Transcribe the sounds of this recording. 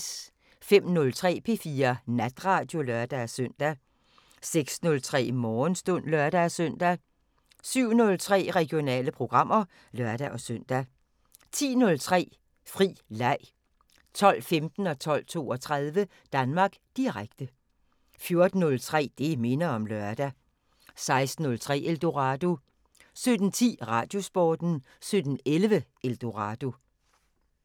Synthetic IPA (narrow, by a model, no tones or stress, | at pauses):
fem̰nɔ̽lt͡sʰʁɛ̰ːpʰe̝fiːɐnæd̥ʁɑ̈ːd̥jo̝lœɐd̥æsøn̰d̥æ | seɡ̥snɔ̽lt͡sʰʁɛ̰ːmɒːnsd̥ɔ̽n̰lɶɐd̥æsœn̰d̥æ | syʊ̰nɔ̽lt͡sʰʁɛ̰ːʁɛɡ̥ijo̝nɛ̰ːləpʰʁo̝ɡ̥ʁɑ̈m̰ɐ | lɶɐd̥æʔɒ̽søn̰d̥æ | t͡sʰḭːnɔ̽lt͡sʰʁɛ̰ː | fʁḭːlɑ̈ɪ̰ | t͡sʰɒ̽l̰femd̥n̩ɒ̽t͡sʰɒ̽l̰t͡sʰo̝̰ːɒ̽t͡sʰʁað̞ˠʋə | d̥ænmɑ̈ːɡ̥d̥iʁaɡ̥d̥ə | fjo̝ɐd̥n̩ːɔ̽lt͡sʰʁɛ̰ːd̥eme̝nɐɒ̽mlɶɐd̥æ | sɑ̈ɪsd̥n̩ːɔ̽lt͡sʰʁɛ̰ːeld̥o̝ʁɑd̥o̝ | sød̥n̩t͡sʰḭːʁɑ̈ːd̥jo̝sb̥ɒːd̥n̩ | sød̥n̩elʋəʔeld̥o̝ʁɑd̥o̝